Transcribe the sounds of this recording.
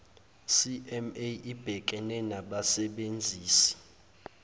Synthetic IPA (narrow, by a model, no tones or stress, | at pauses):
siʔɛmeib̥ʱɛk̬ʼɛnɛnaɓasɛɓend͡zʱiːsi̥